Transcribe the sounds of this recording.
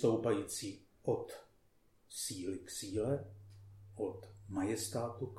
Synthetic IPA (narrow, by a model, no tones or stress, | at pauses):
t̪owpajiːt͡siːʔot̪ | siːlɪksiːlɛ | ʔot̪majɛst̪aːt̪uk